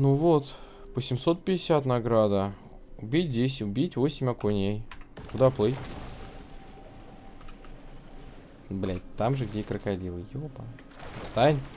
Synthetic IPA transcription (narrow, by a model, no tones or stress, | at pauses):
nuvot̪ | pəsʲɪmsot̪̚pʲɪdʲɪsʲat̪nɐɡɾad̪ə | ʊbʲit̚ʲdʲesʲɪtʲʊbʲitʲvo̞sʲɪmʲɐkʊnʲejkʊd̪aplˠɨjʲ | blʲæt̚ʲt̪amʐɨɡdʲekɾəkadʲilˠɨjopa | ɐst̪anʲ